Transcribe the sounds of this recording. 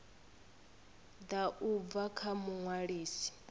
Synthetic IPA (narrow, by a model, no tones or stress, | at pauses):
d̪aʔub̪vakʰamuŋwaɺiːsi̥